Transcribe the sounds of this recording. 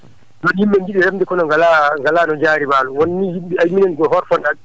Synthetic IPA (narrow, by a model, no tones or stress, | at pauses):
nɔnjimːɛŋɡiɗiɾamdɛkɔnɔŋɡalaŋɡalaːnɔd͡ʒaːɾimaːluwɔnːihimɓiajminɛnɡɔhɔɾfɔndaɗ